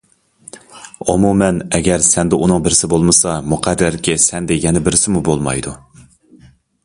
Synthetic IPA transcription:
umumɛnɛɡʲɛɾsɛnd̪ɛunɨŋbɪɾɪsɪbolˠmɨsɑmuqʰæd̪ːæɾɪkʲɪsɛnd̪ɛjɛnɛbɪɾɪsɪmubolˠmɑ̰jd̪u

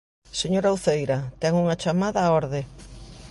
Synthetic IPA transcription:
seɲoɾauwθejɾɐt̪ɛŋuŋɐt͡ʃamaðɐɔɾðɪ

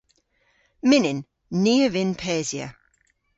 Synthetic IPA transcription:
mɪnɪ̃nː | iːəvɪ̃npʰɛːziə̰

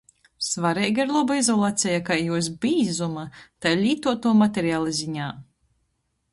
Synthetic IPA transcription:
svaɾɛjɡaiɾlˠɔbaizɔlˠaːt̪sʲɛjakajːuɔs̬bʲiːzumat̪ajlʲiːt̪uɔt̪uɔmat̪ʲɛɾiaːlˠɨzʲiɲaː

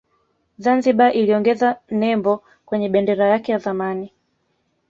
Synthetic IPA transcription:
zanziɓaʔiliɔŋɡɛzanɛmbɔ | kwɛɲɛɓɛndɛɾajakɛjazamani

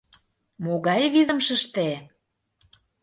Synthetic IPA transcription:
moɣɑjβizə̆mʃə̆ʃt̪e

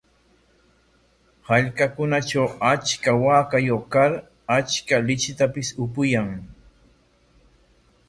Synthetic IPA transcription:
haʎkakʊnaʈ͡ʂawat͡ʃkawaːkajoχkaɾ | at͡ʃkalɪt͡ʃɪt̪apɪsʊpʊjaŋ

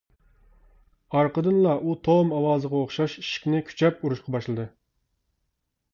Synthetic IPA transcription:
ɑɾqəd̪ɨnlˠɑʔut̪ʰomɑwɑːzəʁɑoχʃɑʃi̥ʃi̥kʲnɪkʲʰy̥t͡ʃʰɛpuɾuʃqʰɑbɑʃlˠɨd̪ɨ

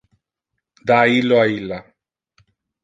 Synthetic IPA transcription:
d̪ailːoailːa

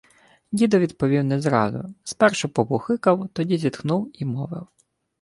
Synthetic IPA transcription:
dʲid̪ɔʋʲid̪pɔʋʲiwnɛzɾɑ̰zʊ̰spɛrʃɔpɔbʊxɪkɐwt̪ɔdʲizʲit̪xnuwimɔʋɪ̰w

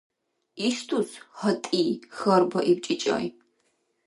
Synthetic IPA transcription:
istʰuːshɐtʼiːxɐrbɐʔip̚t͡ʃʼit͡ʃʼɐ̰j̰

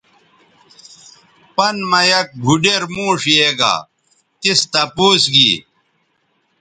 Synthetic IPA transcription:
pɐnmɐjɐk̚ɡʱuɖeɾmũːʂeːɡa̰ | t̪ist̪ɐpuːsɡḭː

